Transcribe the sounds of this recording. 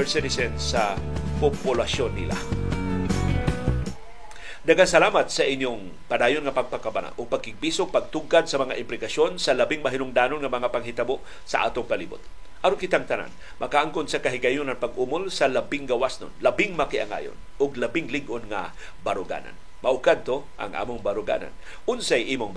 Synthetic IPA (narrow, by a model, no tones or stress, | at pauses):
sɪt̪ɪsɛnsapʊpʊlaʃonːɪ̰lʔa̰ | d̪ɐɡansɐlaːmat̪sɐʔɪnjoŋ | pad̪aːjonŋɐpɐɡ̚pakabana̰ʔʊɡ̚pɐɡ̚kɪɡ̚bisoŋpɐɡ̚t̪ʊɡad̪̚sɐmɐŋaʔɪmplɪkaʃjo̞nsɐlɐbɪŋmɐɦɪnʊŋd̪aːnonŋɐmɐŋapaŋɦɪt̪aboʔ | sɐ̰ʔa̰ːt̪oŋpɐlḭːbʊ̰t̪̚ | ʔɐɾonkɪt̪aŋt̪ɐna̰n | mʔɐkaʔaŋkʊnsɐkɐɦɪɡajʊnɐŋpaɡʔumolsɐlɐbɪŋɡɐwasnʊ̰nlɐbɪŋmɐkɪʔaŋa̰ːjo̰n | ʊɡlɐbɪŋlɪɡʔonŋa̰ | bɐɾʊɡa̰ːna̰n | mɐʔʊkad̪̚t̪oʔa̰ŋʔa̰ːmʊŋbaɾʊɡa̰na̰n | ʔʊnsajʔiːmʊŋ